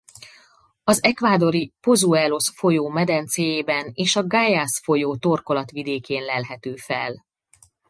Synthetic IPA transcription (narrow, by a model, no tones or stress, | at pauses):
ɒzɛkʋaːd̪o̞ɾipo̞zuɛlo̞sfo̞joːmɛd̪ɛnt̪seːjeːbɛneːʃɒɡaːjasfo̞joːt̪o̞rko̞lɒt̪ʋid̪eːkeːnlɛlɦɛt̪øːfɛl